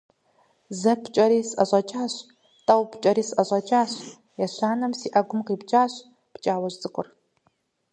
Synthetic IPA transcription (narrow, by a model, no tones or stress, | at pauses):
zɐpʰt͡ʃʼɐɾiːsɐɕʼɐt͡ʃʼaːɕ | tʼɐwpt͡ʃʼɐɾiːsɐɕʼɐt͡ʃʼaːɕ | jɐɕaːnɐmsiːʔɐɡʷʊmqiːpt͡ʃʼaːɕ | pt͡ʃʼaːwɐɕt͡sʼɨkʷʼʊr